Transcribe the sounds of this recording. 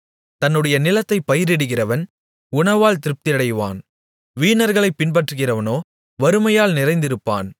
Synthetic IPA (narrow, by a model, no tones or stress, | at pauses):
t̪ɐnːɯɽɐjɐnɪlɐt̪ːɐɪpːɐjɪɾɪɽɯɣɪrɐʋɐn | ʊɳɐʋaːlt̪ɪɾɯp̚t̪ɪɐɽɐɪʋa̰ːn | ʋiːnɐɾɣɐɭɐɪpːɪnpɐʈrɯɣɪrɐʋɐnoː | ʋɐɾɯmɐjaːlnɪɾɐɪnd̪ɪɾɯpːa̰ːn